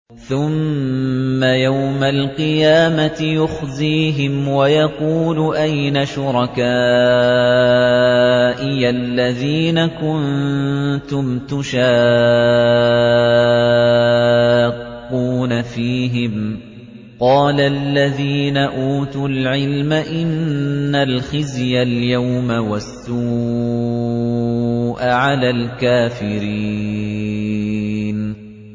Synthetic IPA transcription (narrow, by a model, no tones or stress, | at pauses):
θʊmː | ajawmalqɨjaːmat̪ɪjʊxziːɦɪmwajɑquːlʊʔajnaʃʊɾˤɑkaː | ʔɪjalːaðiːnakʊn | t̪ʊmt̪ʊʃaː | uːnafiːɦɪm | qɑːlalːaðiːnaʔuːt̪ʊlʕɪlmaʔɪnːalxɪzjaljawmawasːu | ʔaʕalaːlkaːfɪɾi | n